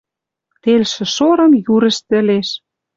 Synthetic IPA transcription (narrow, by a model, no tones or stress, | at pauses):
t̪elʃɘ̆ʃoɾɤ̆mjuɾə̆ʃt̪ɘ̆leʃ